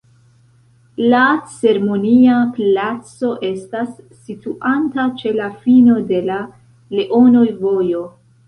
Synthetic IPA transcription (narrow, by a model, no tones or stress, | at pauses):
lat͡se̞ɾemo̞niaplat͡so̞ʔe̞stasː | ituʔantat͡ʃe̞lafino̞de̞la | le̞ʔo̞no̞jvo̞jo̞